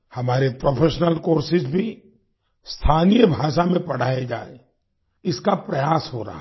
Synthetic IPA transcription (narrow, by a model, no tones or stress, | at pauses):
hɐmaːɾepɾoːpʰeːʃnəlkoːɾsɪsbʱi | st̪ʰaːnijəbʱaːʃamẽpɐɽ̤aːed͡ʒa̰ːe | ɪskapɾɐjaːsɦoɾɐ̰ɦa